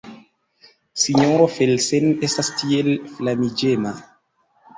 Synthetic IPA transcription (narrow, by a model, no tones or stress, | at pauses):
siɲoɾofelsenestastielflamid͡ʒema